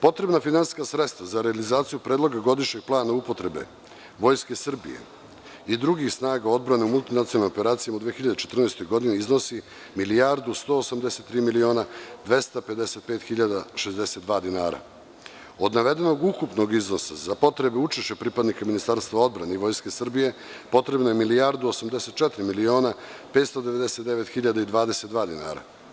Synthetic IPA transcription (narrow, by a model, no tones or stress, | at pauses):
po̞t̪ɾe̞bnafinansskasɾe̞t̪st̪vazaɾealizaːt̪sijupɾed̪lˠo̞ɡaɡo̞d̪iʃɲeɡ̚plˠaːnaupo̞t̪ɾe̞be̞̰ | ʋo̞jske̞sr̩bḭjḛ | id̪ɾuɡixsnaːɡao̞d̪̚bɾaneumulˠt̪inat̪ionlimope̞ɾaːt̪sijamaud̪ʋeːxiʎad̪et͡ʃet̪r̩najst̪o̞jɡo̞d̪iniizno̞si | milijaɾd̪ust̪o̞ːosamd̪e̞se̞t̪ːɾiːmilio̞ːnad̪ʋe̞st̪ape̞d̪e̞se̞t̪̚peːt̪xiʎad̪aʃezd̪e̞set̪d̪ʋaːd̪inaːɾa̰ | o̞d̪naʋe̞d̪e̞no̞ɡukupno̞ɡizno̞sa̰zapo̞t̪ɾe̞beut͡ʃiʃepɾipad̪nikaminist̪aɾst̪ʋao̞d̪bɾane̞iʋo̞jske̞sr̩bije̞po̞t̪ɾe̞bnoje̞milijaɾd̪uosamd̪ese̞t̪̚t͡ʃɛt̪ɾimilio̞ːnapeːt̪st̪od̪eʋe̞d̪eset̪d̪eʋet̪xiʎad̪aid̪ʋaːd̪e̞set̪d̪ʋaːd̪ina̰ːɾa̰